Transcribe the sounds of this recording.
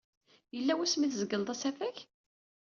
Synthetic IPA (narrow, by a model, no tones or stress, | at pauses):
jəlːæwæsmiθzəɡːəld̪ˤæsæfæç